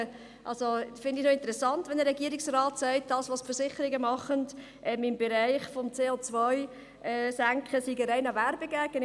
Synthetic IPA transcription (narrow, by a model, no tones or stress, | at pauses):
ʔɑ̰lsofɪndɪnoɪnt̪əɾɛsɑntʋɛndəɾɛɡiəɾɪksrɑːtsæɪt̚d̥ɑːsʋosfəɾsɪχəɾɪɡəmɑχənd | ʔɛmɪmbɛɾæɪχfomt͡seːot͡svɔj | ɛːsæŋkχəsiɡəɾæɪnɑvæɾbəɡ̥æɡ̥ən